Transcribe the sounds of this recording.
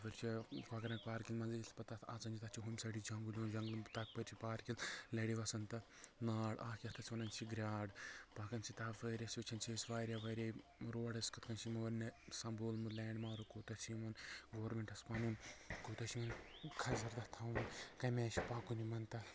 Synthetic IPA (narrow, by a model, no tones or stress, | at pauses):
ʋɐɾʲt͡ʃʰikaɡɐɾɐkpaːɾkilmɐnzɐilpɐt̪ɐt̪ʰat͡sɐnd͡ʒit̪ɐt͡ʃʰiɦumʲsɐɽid͡ʒɐŋɡulʲuːnd͡ʒɐŋɡlnt̪ɐk̚pɐɾʲt͡ʃʰipaːɾkillɐɽiʋɐsɐnt̪ɐ | naːɽaːkʲiɐt̪ʰɐt͡sʰʲiʋɐnɐnʲt͡ʃʰiɡɾʲaːɖpaːkɐnsʰit̪aʋɐːɾʲɐsit͡ʃʰɐnt͡ʃʰisʋaːɾʲjaʋɐɾʲe | ɾoːɽɐskɐt̪̚ʰkɐnt͡ʃʰimɐʋɐnɐsɐmboːlmɨlɛːɳɖmaːɾukoːt̪ɐt͡ʃʰimɐnɡoːɾmeɳʈɐspɐnuːnkoːt̪ɐt͡ʃʰimɐnkʰɐzɐɾd̪ɐt̪ʰaːʋɐnkɐmeːt͡ʃi̥paːkunimɐnt̪ɐ